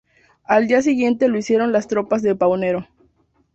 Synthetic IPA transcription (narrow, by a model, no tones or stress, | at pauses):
ald̪ias̬iɣje̞nt̪e̞loisje̞ɾo̞nlast̪ɾo̞pazðe̞pawne̞ɾo̞